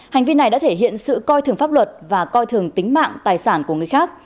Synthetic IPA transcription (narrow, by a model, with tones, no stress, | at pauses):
ha˨˩ŋ̟vi˧na˨˩jɗa̰ː˧˥t̪ʰe˧˩ɦḭ˧˨ənsɨ̰˧˨kɔ˧jt̪ʰɨ˨˩əŋfaː˦˥p̚lwə˨˩t̚vaː˨˩kɔ˧jt̪ʰɨ˨˩əŋt̪ï˨˦ŋ̟ma̰ː˧˨ŋt̪aː˨˩jsaː˧˩nku˧˩əŋɨ˨˩əjxaː˦˥k̚